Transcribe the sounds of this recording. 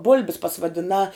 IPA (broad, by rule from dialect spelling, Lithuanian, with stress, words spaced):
ˈbʊlʲbʲɪs pɐsʋɐdʲɪˈnɑː